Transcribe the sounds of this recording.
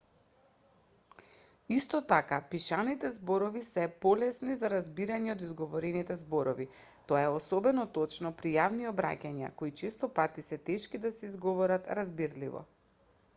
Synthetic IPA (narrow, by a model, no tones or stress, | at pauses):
ist̪ɔt̪akapiʃanit̪ɛzboɾɔvisɛpɔlɛsnizaɾazbiɾaɲɛod̪izɡɔvɔɾɛnit̪ɛzbɔɾɔvi | t̪ɔaɛɔsɔbɛnɔt̪ɔt͡ʃnɔpɾijavniɔbɾa̰cʲaɲa̰koit͡ʃɛst̪ɔpat̪isɛt̪ɛʃkid̪asɛizɡɔvɔɾat̪ɾazbiɾlivɔ̰